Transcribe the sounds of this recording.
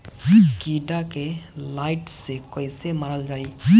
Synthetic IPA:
kiɖakelajʈsekɔjsemaɾəld͡ʒaːj

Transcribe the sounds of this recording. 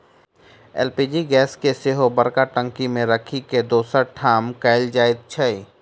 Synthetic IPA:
ɛ̰ːlpiːd͡ʒiɡɛːskeseɦobəɾkaʈə̃ŋkimẽɾəkʰiked̪oːsəʈʰaːmkaɪld͡ʒaːɪd̪̚t͡ʃʰəi

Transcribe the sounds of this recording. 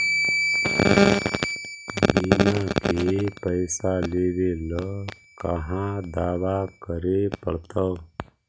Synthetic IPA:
binakepəɪsaled̪elʌ | kʌɦãd̪aːʋakəɾepə̰ɽt̪ə

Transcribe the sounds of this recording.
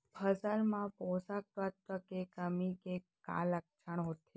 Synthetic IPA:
pʰəsalmãpɔsak̚t̪at̪ːəkekəmike | ka̰lək̚t͡ʃʰəɳ̃ɦot̪ʰe

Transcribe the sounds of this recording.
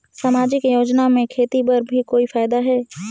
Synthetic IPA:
saːmaːd͡ʒɪkjoːd͡ʒnamẽkʰeːt̪ipɐɾbʱikoːifaːɪd̪aɦɛː

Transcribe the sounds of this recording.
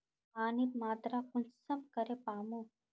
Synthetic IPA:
aːnit̪maːt̪ɾakʊnsəmkəɾepaːmõ

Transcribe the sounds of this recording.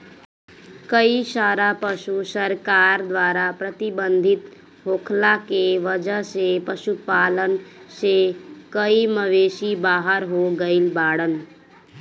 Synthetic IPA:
kəiʃaːɾapəʃusəɾkaːɾd̪ʋaːɾapɾət̪ɪbə̃nd̪ʱɪt̪ | ɦoːkʰlakeʋəd͡ʒəɦsepəʃupaːlənsekəiməʋeːʃibaːɦəɾɦoɡəilbaːɽən

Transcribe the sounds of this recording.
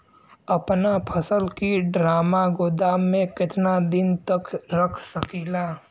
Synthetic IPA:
ɐpnapʰəsəlkiɖɾaːmaɡoːd̪aːmẽkɪt̪nad̪ɪnt̪əkɾəkʰsəkiːlaː

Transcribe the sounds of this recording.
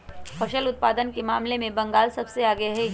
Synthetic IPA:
fʰɐʃəlʊt̪̚paːd̪ənkemaːmlemẽbɐ̃ŋɡaːlsɐbseaːɡəaɦɛ

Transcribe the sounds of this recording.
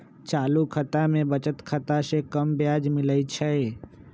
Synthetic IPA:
t͡ʃaːlukʰət̪amẽbət͡ʃət̪kʰət̪asekəmbjaːd͡ʒmɪləit͡ʃʰɛ

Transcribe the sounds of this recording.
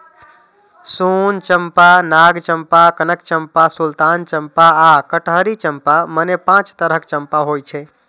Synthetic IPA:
sunt͡ʃəmpanaɡt͡ʃəmpakənəkt͡ʃəmpasult̪ant͡ʃəmpaakəʈɦəɾit͡ʃəmpamənepãt͡ʃt̪əɾəkt͡ʃəmpaɦojt͡ʃʰɛ

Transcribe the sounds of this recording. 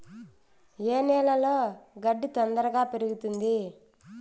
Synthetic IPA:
eːnɛːlɐloːɡɐɖːit̪ɐnd̪ɐɾɐɡaːpeɾuɡut̪und̪i

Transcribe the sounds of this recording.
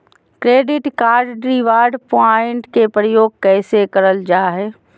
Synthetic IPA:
kɾeːɖɪʈkaːɾɖɖɾiʋaːɾɖpaɪɳʈkepɾəjoːɡ̚kɛːsekəɾəld͡ʒaːɦɛː

